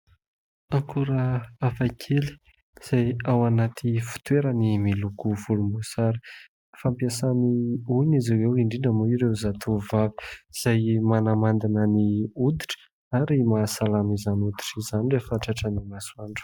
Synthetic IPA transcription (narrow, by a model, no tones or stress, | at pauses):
aŋkʰuɾəafakʰeli̥ | iz̥ajawanat̪ʰifu̥t̪weɾənimilukuvulumusaɾi̥ | fampiasaniuniziwewiɳɖ͡ʐinəmuiɾewzat̪ʰuvavi̥iz̥ajmanamand̪inəniud̪iʈ͡ʂə̥ | aɾimasalamizanud̪iʈ͡ʂizanirefaʈ͡ʂaʈ͡ʂənimasuaɳɖ͡ʐu̥